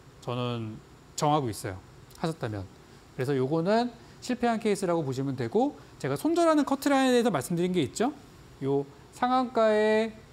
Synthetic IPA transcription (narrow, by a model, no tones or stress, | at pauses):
t͡ɕʌnɯn | t͡ɕʌŋɦaɡois͈ʌjo̰ | haɕʰʌt̚t͈amjʌ̰n | kɯɾe̞sʰʌjoɡʌnɯn | ɕʰiɭpʰe̞ɦankʰeis͈ɯɾaɡopoɕ̬ʰimɯndwe̞ɡo | t͡ɕe̞ɡasʰond͡ʑʌɾɦanɯnkʰʌtʰɯɾanedeɦesʰʌmaɭs͈ɯmdɯɾinɡe̞it̚t͡ɕ͈o | jo | sʰaŋwaŋk͈ae